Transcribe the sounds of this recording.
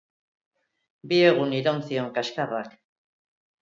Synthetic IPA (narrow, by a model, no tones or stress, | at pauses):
bie̞ɣ̞uniɾonsio̞ŋkaʃkarak